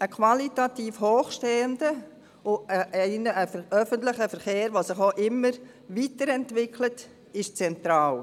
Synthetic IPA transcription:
əkʰʋɑlitatiːfhoːχʃteːəndə | ʊəʔɪnəʔəʔœfəntlɪχəfəɾχeːɾʋosɪχoʔɪmːəɾ | ʋitəɾɛntvɪkʰlət | ɪʃt͡sɛntɾaːl

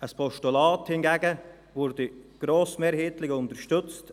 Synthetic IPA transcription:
əspʰɔʃtulɑːthɪnɡɛːɡə | vʊɾdɪɡ̥ɾoːsmeːɾheːtlɪɡʊntəɾʃtʏt͡st

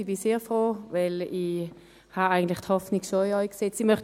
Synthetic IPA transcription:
ibiseːfʁoːvɛli | haaɪɡən̩tlɪχthɔfniɡʃoiœjkset͡simœχt

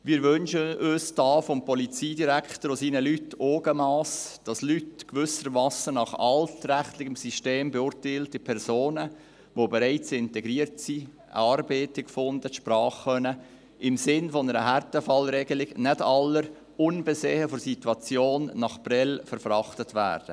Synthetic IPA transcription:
ʋɪːɾʋʏnʃəøːsd̥ɑːfɔmpʰɔlit͡siːdiɾækχtəɾosiːnəlytʰːoːɡəmɑːsd̥ɑslytkʋʏsəɾmɑsənɑχɑ̰ltræχtlɪɡəmsiʃteːmbɛʊːɾtæɪltɪpʰɛɾzoːnə | ʋobɛɾɛɪt͡sɪntɛɡɾiːəɾtsi | ɑːrbeːtɪkfʊndətʃprɑːχːœnə | ʔɪmsɪnfɔnəɾəɦærtəfɑlɾɛɡəlɪɡnɛdɑlːəɾ | ʊnbɛseːhəfoɾsitwɑt͡sjoːnːɑχb̥rɛlfəɾfrɑχtətʋæ̰ːɾd̥ə̰

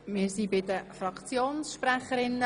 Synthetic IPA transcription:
mɪːɾsibɪd̪əfɾɑkt͡sjoːnsʃpɾæχəɾɪnːə

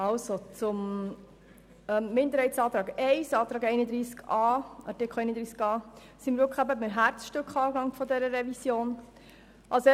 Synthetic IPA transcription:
ɑlsot͡sʊm | ɛmmɪnd̪əɾhɛɪtsɑːt̪ɾɑːɡɛɪsɑːt̪ɾɑːɡɛɪnəd̪ɾiːskɑːɑ̰tɪkʰχoɛɪnəd̪ɾiːskɑː | siməɾvʊkχæbəbɪməɦæɾt͡sʃtøkχɑːɡɑŋfɔd̪ɛɾəɾɛvisjoːn | ʔɑls

